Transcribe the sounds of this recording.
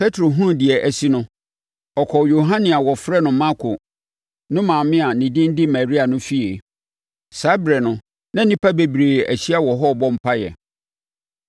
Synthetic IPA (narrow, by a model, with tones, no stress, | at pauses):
pʰe˦tʰɾo˨ɦũ˦˨dɪ˨ɛ˨ʔæ˨si˦nʊ̃˦ | ɔ˨kʰɔ˨jo˨ɦã˦nĩ˨a˨wɔ˨fɾɛ˦nʊ̃˨mã˦kʰʊ˨ | nʊ̃˦mã˨mɪ̃˦a˨nĩ˨dɪ̃˦n˦dɪ˦ma˨ɾi˦a˨nʊ̃˦fi˦e˨ | sa˨˦bɾɛ˨nʊ̃˨ | nã˦nĩ˦pʰa˦be˨bɾeː˨æ˨ɕi˦a˦wɔ˨ɦɔ˦˨bɔ̃˦m̩˦pʰa˦jɛ̰˨